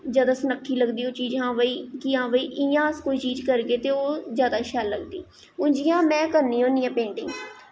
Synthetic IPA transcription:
zjaːd̪aːsənəkʰːiːləɡd̪iːoːt͡ʃiːd͡ʒɦãːʋəiːkiãːʋəiːʔɪjãːəskoːiːt͡ʃiːd͡ʒkəɾɡeːt̪eːoːzjaːd̪aːʃɛːlːəɡd̪ḭː | ʊ̃ːɲd͡ʒɪjãːmɛ̃ːkəɾniːɦõːnijãːpẽːɳʈɪŋɡ

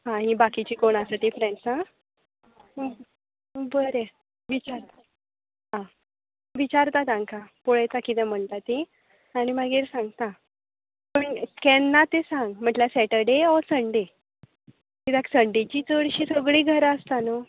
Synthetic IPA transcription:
ɦãɦĩbakit͡ɕiːkoɳ̃asat̪ifɾɛ̃nsã | bəɾe | ʋit͡ɕaɾt̪a | ɦã | ʋit͡ɕaɾt̪at̪ãŋkapoɭajt̪akit̪ɛ̃m̤əɳt̪at̪e | aɽ̃imaɡiːɾsãŋɡt̪a | pəɳkɛnːat̪esãŋɡm̤əɳʈlasɛʈəɖeɔsəɳɖe | kit̪ɛ̃ksəɳɖet͡ɕiːt͡səɽɕiːsəɡɭiːɡʱəɾəst̪ano

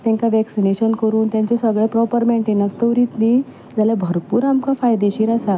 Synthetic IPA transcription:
t̪ɛ̃ŋkaʋɛksineɕənkəɾuːnt̪jãɲt͡ɕesəɡɭepɾɔpəɾmɛɳʈenəst̪əʋɾiːt̪niː | d͡zaljabʱəɾpuːɾamkafajd̪eɕiːɾasa

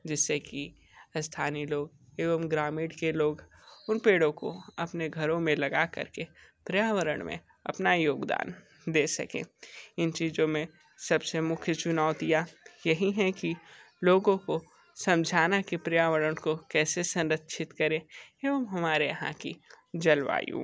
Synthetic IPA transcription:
d͡ʒɪsːeki | st̪ʰaːniloːɡ | eːʋəmɡɾaːmɪːɖkeloːɡ | ʊnpeːɽõko̰ɐpneɡʱɐɾõmẽlɐɡakɐ̰ɾkepɾijaːʋəɾə̰ɽ̃mḛ̃ | ɐ̰pnajoːɡd̪a̰ːn | d̪eːsɐ̰kḛ̃ːɪnt͡ʃiːzõmẽ | sɐbsemʊkʰjət͡ʃʊnaːʊt̪ijajɐɦiɦɛki | loːɡõko | sɐ̃md͡ʒʱaːnakipɾijaːʋəɾəɽ̃kokɛːsesɐ̃nɾət̪ːʃʰɪt̪kɐɾẽeːʋəmɦɐmaːɾeɐɦã̰ki | d͡ʒɐlʋa̰ːjṵ̃ː

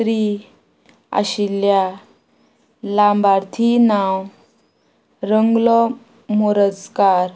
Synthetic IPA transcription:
ɾi | a̰ɕilja | lambaɾt̪ʰinaw | ɾəŋɡlɔ | moɾəskaɾ

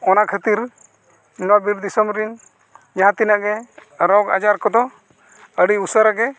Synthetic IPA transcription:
ɔnakʰət̪iɾ | nabiɾd̪isəmɾin | d͡ʒaɦãt̪inaʔɡɛɾɔɡa̰d͡ʒaɾkɔd̪ɔ | əɽiusəɾaɡɛ

